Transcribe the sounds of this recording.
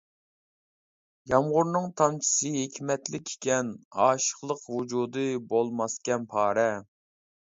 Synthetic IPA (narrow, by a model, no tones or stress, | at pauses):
jɑmʁʊɾnɨŋt̪ʰɑmt͡ʃʰi̥sɨɦekʲʰmɛt̪lɪkʲʰːe̥kʲɛnɑːʃə̥χlˠəqwud͡ʒud̪ɨbolˠmɑskʲɛnpʰɑːɾɛ